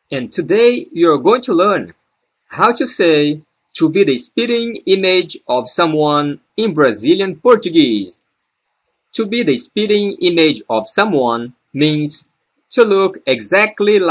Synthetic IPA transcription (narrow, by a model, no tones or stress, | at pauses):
ɨ̃ntʰɨdeɪjuə˞ɡoɪ̃ŋtʰulɜ̃˞n | hawtʰuseɪ | tʰubiðɨspiɾɪ̃ŋɪ̃mɪd͡ʒʌv̥sʌ̃mwʌ̃n | ɪ̃nbɹazilˠjɨ̃npɔɹt͡ʃɨɡiz̥ | tʰubiðɨspiɾɪ̃ŋɪ̃mɪd͡ʒʌv̥sʌ̃mwʌ̃n | mĩnz̥ | tʰulʊkɪɡzæk̚tˡlil